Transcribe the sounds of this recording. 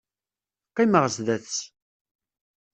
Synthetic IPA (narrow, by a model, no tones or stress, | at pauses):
qaməʁəsðæθt͡sː